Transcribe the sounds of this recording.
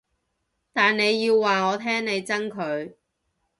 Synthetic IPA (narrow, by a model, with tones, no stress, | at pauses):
t̪aː˨nne˨˧jːiː˧wːaː˨ŋɔː˨˧t̪ʰɛː˥ŋne˨˧jt͡sɐ˥ŋkʰɵ˨˧ɥ